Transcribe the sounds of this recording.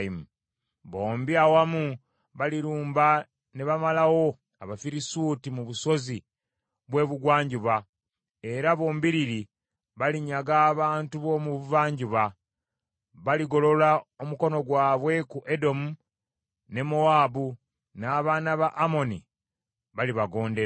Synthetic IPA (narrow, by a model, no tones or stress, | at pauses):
mu | βo̞ːmbiawamu | βaliɾuːmba | neβamalawo̞ | aβafiɾisuːtimuβuso̞zi | βwe̞ːβuɡwaːɲɟuβa | e̞ɾaβo̞ːmbiɾiɾi | βaliɲaɡaːβaːntuβo̞muβuvaːɲɟuβa | βaliɡo̞lo̞laomuko̞no̞ɡwaːβwe̞kuʔedo̞mu | ne̞moabu | naːβaːnaβaʔːmo̞nḭ | βaliβaɡo̞ːndeɾ